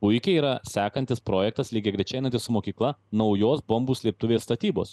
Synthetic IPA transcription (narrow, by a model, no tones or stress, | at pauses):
pʊɪkʲɛiːɾɐsʲæːkɐnʲt̪ʲɪspɾoːjɛk̚t̪ɐslʲiːɡʲɛɡɾʲɛt͡ʃʲɛɪnɐnt̪ʲɪssʊmoːkʲiːklˠɐnɐʊjoːsbombuːsʲlʲeːp̚t̪ʊʋʲeːsst̪ɐt̪ʲiːbo̰ːs